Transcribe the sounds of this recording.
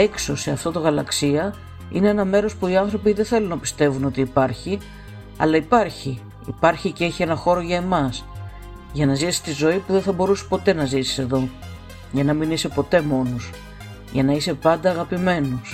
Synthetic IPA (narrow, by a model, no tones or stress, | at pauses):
e̞kso̞se̞ɐft̪o̞t̪o̞ɣɐlɐksiɐ | ḭnee̞nɐme̞ɾo̞spuiɐnθɾo̞piðe̞θe̞lunɐpi̥st̪e̞vuno̞t̪iːpɐɾçi | ɐ̰lɐipɐɾçi | ipɐɾçice̞çie̞nɐxo̞ɾoʝɐe̞mɐs | ʝɐnɐzisi̥st̪izo̞ipuðenθɐbo̞ɾusi̥po̞t̪e̞nɐzisi̥se̞ðo̞ | ʝɐnɐminise̞po̞t̪e̞mo̞nos | ʝɐnɐise̞pɐnd̪ɐːɣɐpime̞nus